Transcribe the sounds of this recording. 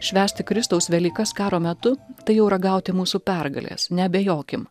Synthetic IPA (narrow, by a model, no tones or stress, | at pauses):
ʃʲʋʲæːsʲt̪ʲɪkɾʲɪst̪ɐʊsʋʲɛlʲiːkɐskɑːɾoːmʲɛt̪ʊt̪ɐɪjɛʊɾɐɡɐˑʊt̪ʲɪmuːsuːpʲæɾɡɐ̰lʲḛsnʲɛbʲɛjoːkʲɪm